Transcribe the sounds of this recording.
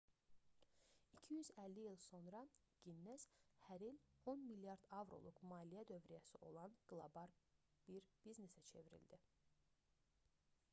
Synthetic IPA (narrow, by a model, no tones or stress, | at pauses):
icʰijyzælːiilˠso̞nɾɑ | ɟ̥inːæz̥hæɾilo̞nmiljɑɾd̪ɑvɾo̰lˠukmɑːlijæd̪ø̞vɾijæsiʔo̞̰lˠɑnɡ̥lˠobɑɾb̥iɾbizne̞sæt͡ʃʰe̞viɾḭld̪i